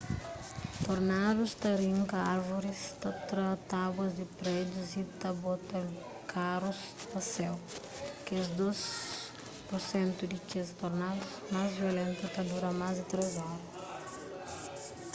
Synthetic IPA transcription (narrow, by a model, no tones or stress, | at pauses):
t̪oɾnad̪ust̪ɐɾĩŋkɐaɾvuɾist̪at̪ɾɐt̪aɡwɐzd̪ɪpɾed̪uzit̪ɐbot̪ɐ | kʰaɾus | t̪ɐsɛw | kzd̪os | poɾsẽnt̪ud̪ɪt͡ʃezt̪oɾnad̪usmazviolẽnt̪ut̪ɐd̪uɾɐmazd̪ɪt̪ɾezɔɾɐs